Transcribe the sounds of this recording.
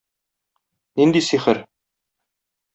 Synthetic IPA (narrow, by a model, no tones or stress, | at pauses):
nind̪isiχɘɾ